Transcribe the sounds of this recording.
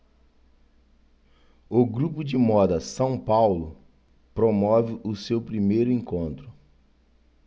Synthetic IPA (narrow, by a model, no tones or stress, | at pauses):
ʊɡɾupʊd͡ʒɪmɔd̪ɐsɐ̃w̃pawlʊ | pɾomɔvɪʔʊsewpɾimejɾʊẽkõnt̪ɾʊ